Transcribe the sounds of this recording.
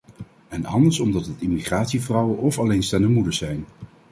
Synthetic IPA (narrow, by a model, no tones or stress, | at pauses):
ɛnɑ̰ndəɹsɔmdɑtətɪmiχraːtsivrʌwəʔɔfɑlejnstɛnəmudəɹzɛjn